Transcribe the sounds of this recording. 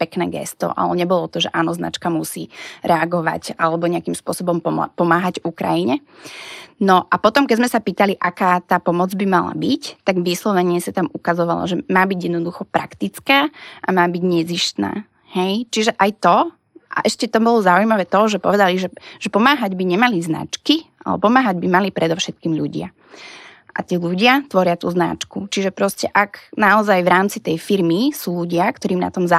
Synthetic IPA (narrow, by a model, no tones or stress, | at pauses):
pɛknɛ̰ːɡɛ̰st̪ɔ̰ʔa̰lɛɲɛbɔlɔt̪ɔʒɛʔaːnɔzna̰t͡ʃkamusḭːɾʔɛaɡɔʋa̰ɟalɛbɔɲɛakimspʊɔsɔbɔmpɔpɔmaːɦaɟukɾa̰jiɲɛ | nɔʔapɔt̪ɔmkɛd͡zzmɛsapiːt̪aliʔakaːt̪aːpɔmɔd͡zbimala̰bict̪aɡʋiːslˠɔʋɛɲiɛsat̪amukazɔʋalɔ̰ʒɛmaːbiɟjɛd̪nɔd̪uxɔpɾʔa̰kt̪it͡skaːʔamaːbiɟɲɛziʃt̪na̰ː | hɛjt͡ʃiʒɛʔajt̪ɔ | ʔa̰ʔɛʃcɛt̪ɔbɔlɔzaujmaʋɛːt̪ɔʒɛpɔʋɛd̪aliʒɛʒ̥ɛpɔmaːɦaɟbiɲɛmalizna̰t͡ʃkiʔa̰lɛ̰ɔpɔmaːɦaɟ̚bimalipɾɛd̪ɔʊʃɛt̪̚kiːmʎuɟɪa̰ | ʔa̰t̪iːluɟɪat̪ʋɔɾɪat̪ṵːzna̰t͡ʃkut͡ʃiʒɛpɾɔscɛʔaknaɔzajʋɾaːmt͡sit̪ɛjfiɾmisuːʎuɟɪakt̪ɔɾiːmna̰t̪ɔmza